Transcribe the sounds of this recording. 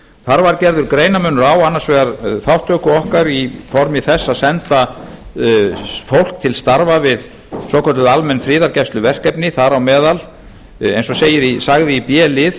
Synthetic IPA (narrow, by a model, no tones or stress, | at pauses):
θaɾvaɾcɛɾðʏɾkɾeːjnamʏnʏɾawanːḁsvɛːɣaɾθawht̪œkʏɔhkaɾifɔɾmɪθɛsːaðsɛnt̪a | fowl̥k̚t̪ʰɪlst̪aɾvavɪð | sɔːkʰɔt̪ʏðalmɛnːfɾɪːðaɾcɛjst̪lʏvɛr̥kɛpnɪθaɾawmɛːðal | ḛjnsɔseːjɪɾisaɣðɪipjɛːlɪð